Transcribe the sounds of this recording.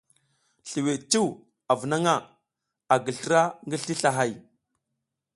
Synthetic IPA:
ɬi˨we˨t͡ʃu˦w | a˨və˨na˦ŋa˦˨ | a˨ɡə˨ɬə˦ɾa˦ŋɡə˦ɬi˦ɬa˨ɦa˦˨j

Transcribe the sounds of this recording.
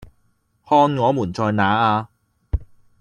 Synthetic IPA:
hɔː˧nŋɔː˨˧muː˨˩nt͡ʃɔː˧jnaː˨˥aː˧

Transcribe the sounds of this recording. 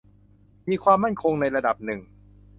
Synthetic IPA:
miː˧kʰwaː˧mːa˥˩nkʰo˧ŋna˧jɾa˧da˨˩p̚nɯ˨˩ŋ

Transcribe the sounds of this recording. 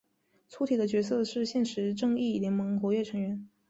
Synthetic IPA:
t͡sʰu˧˥t̪ʰi˨˩d̪ə˦t͡ɕɥɛ˧˥sɤ˥˧ʂɻ̩˥˧ɕjɛ˥˩nʂɻ̩˧˥ʈ͡ʂɤ˥˧ŋi˥˩ljɛ˧˥nmɤ˧˥ŋxwɔ˧˥ɥɛ˥˩ʈ͡ʂʰɤ˧˥ŋɥɛ˧˥n

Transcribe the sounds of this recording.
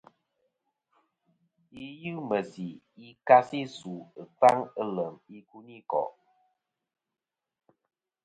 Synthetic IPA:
i˦jɨ˦mə˨si˨ | i˦ka˦si˦su˨ə˨k͡pa˦ŋə˦lə˨mi˦ku˦ni˦kɔ̰˨

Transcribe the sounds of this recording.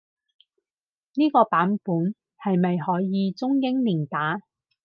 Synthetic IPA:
niː˥kɔː˧paː˨˥npuː˨˥n | hɐ˨jmɐ˨jhɔː˨˥jjiː˨˧t͡sʊ˥ŋjɪ˥ŋliː˨˩ŋt̪aː˨˥

